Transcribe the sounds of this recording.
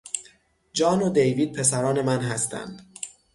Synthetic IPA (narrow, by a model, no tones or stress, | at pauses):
d͡ʒɒːnod̪ejviːd̪̚pʰe̞s̬æɾɒːne̞mænɦæst̪ʰæ̰nd̪̥